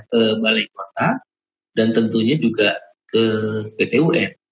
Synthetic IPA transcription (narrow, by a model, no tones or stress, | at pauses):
kəmalaikot̪a | dant̪ənt̪uɲad͡ʒuɡa | kəpet̪euʔɛn